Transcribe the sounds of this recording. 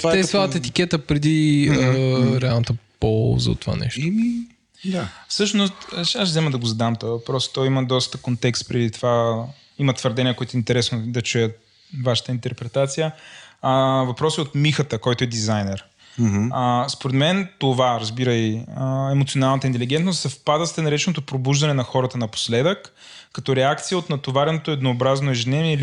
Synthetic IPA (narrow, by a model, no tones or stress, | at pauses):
t̪aɛsvat̪ɛt̪ikʲɛt̪əpɾɛd̪i | ɾɛalˠnət̪əpɔlˠzə̰o̰t̪ova̰nɛ̰ʃtmi | d̪afsɤʃnost̪ʃaʃzɛməd̪ɐɡozɐd̪amt̪ɔavɐpɾɔst̪ɔjiməd̪ɔst̪əkont̪ɛkst̪̚pɾɛd̪it̪ova | imət̪vəɾd̪ɛnijəkoit̪ʊɛint̪ɛɾɛsnod̪ɐt͡ʃujət̪̚ | vaʃə̥t̪əint̪ɛɾpɾɛt̪at̪sijə | vɐpɾɔsiot̪mixət̪əkɔjt̪oɛd̪izajnɛɾ | əspoɾɛd̪mɛnt̪ovaɾɐzbiɾəjəɛmot̪sionalˠnət̪əint̪ɛliɡɛnt̪nost̪sɐfpad̪əst̪ɛnɐɾɛt͡ʃɛnot̪opɾobuʒd̪ɐnɛnɐxɔɾət̪ənɐpo̥slɛd̪əkː | ɐt̪ɔɾɛakt̪sijəot̪nɐt̪ovaɾɛnot̪oɛd̪noːbɾaznoɛʒɛnɛviɛil